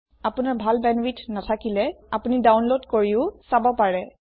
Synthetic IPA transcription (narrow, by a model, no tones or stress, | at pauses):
apunaɹbʱalbɛnwitʰnatʰakilɛapunidawnlodkoɹiʊsabɔpaɹɛ